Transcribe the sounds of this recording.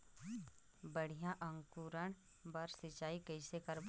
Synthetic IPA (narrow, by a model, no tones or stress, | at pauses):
bəɽ̤ijãʔə̃ŋkuɾəɽ̃ | bəɾsɪt͡ʃaːikəɪsekəɾb